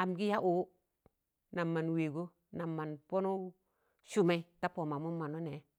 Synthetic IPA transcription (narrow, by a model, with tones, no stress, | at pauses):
a˨mɡi˦ja˦ʔo˨˦ | na˨mːa˨nwe˨ɡo˦ | na˨mːa˨npo˦nu˦ | su˦mɛ˦ta˦po˨ma˨mu˦ma˨no˦nɛ˨˦